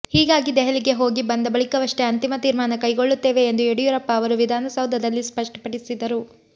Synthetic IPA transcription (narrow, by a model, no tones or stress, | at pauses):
hiːɡaːɡid̪ɛɦɐɭiɡe̞ɦo̞ːɡibɐnd̪ɐbɐɭikɐʋɐʂʈeɐnt̪imɐt̪iːɾmaːnɐkɐjɡoɭːut̪ːe̞ːʋe̞ːnd̪ueɽijuɾɐpːɐːʋɐɾuʋid̪ʱaːnɐsɐwd̪ʱːɐd̪ɐlːispɐʂʈɐ̥pɐɽisid̪ɐɾu